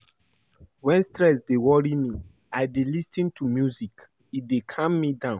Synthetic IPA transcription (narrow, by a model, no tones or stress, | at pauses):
wɛ̃nstɹɛs̬dewɔɹimi | aɪdelistĩntʰumjuzik | it̚dekʰãmːidãʊ̃n